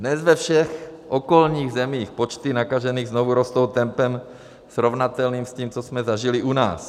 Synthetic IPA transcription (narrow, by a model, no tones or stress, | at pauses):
dnɛzvɛfʃɛxʔokolɲiːɣzɛmiːxpot͡ʃt̪ɪnakaʒɛniːɣznovuɾost̪owt̪ɛmpɛm | sɾovnat̪ɛlniːmsciːmt͡sosmɛzaʒɪlɪʔuna̰ːs